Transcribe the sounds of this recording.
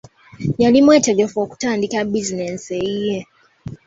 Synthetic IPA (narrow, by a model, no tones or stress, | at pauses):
jalimweːteɡefoku̥taːndikabizineseije